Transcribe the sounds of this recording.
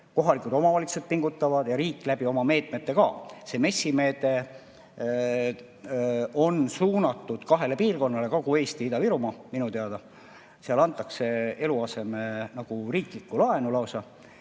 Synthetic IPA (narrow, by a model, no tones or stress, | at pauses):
ko̞ɦɑlikˑud̪o̞mɑvɑlʲit̪su̥sed̪̚piŋɡut̪ːˑɑvɑd̪̥jɑɾiːkːˑlæb̥io̞mɑme̞ːt̪ˑme̞t̪ːe̞kɑ̰ːse̞me̞sːime̞ːt̪e̞ | o̞nsuːnɑt̪ːˑud̪̥kɑɦe̞le̞piːrko̞nːɑle̞kokue̞ːst̪iid̪ɑviɾumɑminut̪e̞ɑd̪̥ɑ | seɑlɑnt̪ːˑɑkse̞e̞luɑse̞menɑɡ̥uriːklikːˑulɑe̞nulɑwsɑ